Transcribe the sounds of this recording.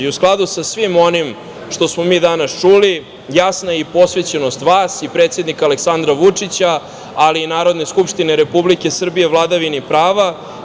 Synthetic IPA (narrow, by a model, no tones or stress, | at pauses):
usklˠad̪usasʋimo̞nim | ʃt̪o̞smo̞miːd̪anast͡ʂuli | jasnaipo̞sʋe̞t͡ɕeno̞st̪ʋaːsipɾeːt̪sje̞d̪nikaleksand̪ɾaʋut͡ʂit͡ɕaː | liːnaːɾo̞d̪ne̞skupʂt̪ineɾepublike̞sr̩bije̞vlˠad̪aʋinipɾaːʋa